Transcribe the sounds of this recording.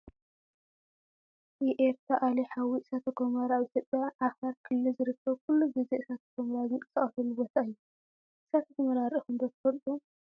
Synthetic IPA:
jiʔeɾt̪ɾaʔaliħawisat̪ʰɐɡomɐɾaβʔit̪ʰjo̞pʼjaʔːxɐɾkʰɨlːɨzɨɾɨkʰːɐβkʰulːubiziɨsat̪ʰɐɡomɐɾazɨnkʼɨ̥sɐχʼɐfɐluwɔt̪ʰaɨjːu | ʔɨsat̪ʰɐt̪ʰɐmɐɾaɾʔixɨnd̪ot̪ʰɨ̥fɐlt̪ʼu

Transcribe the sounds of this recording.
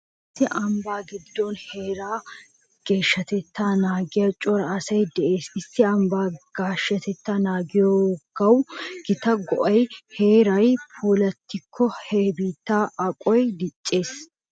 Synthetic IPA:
ʔɪsːɪʔɐmbaːɡɪd̪ːɔnhe̞ːɾaː | ɡ̥e̞ːʃːɐt̪ɛt̪ːaːnaːɡɪjɐt͡ʃʼɔɾɐːsɐjd̪ɛʔe̞ːsɪsːɪɐmbaːɡ̥aːʃːɐt̪ɛt̪ːaːnaːɡɪjoɡ̥ɐwɡɪt̪ɐɡɔʔɐjhe̞ːɾɐjpʰuːlɐt̪ːɪkʰːɔheːbiːt̪ːaːʔɐkʼɔjd̪ɪt͡ʃʼːe̞ːs

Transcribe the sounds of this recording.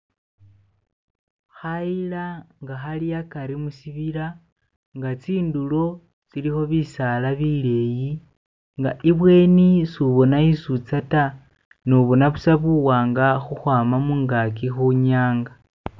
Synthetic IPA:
xailaŋɡaxalijakaɾimusiβiɾa | ŋɡat͡siːndulo̞ | t͡silixo̞βisalaβile̞ji | ŋɡa̰ʔiβwe̞ːnisuβo̞naisut͡sata | noβo̞naβusaβuwaːŋɡaxuxwaːmamuːŋɡakixuɲaːŋɡa

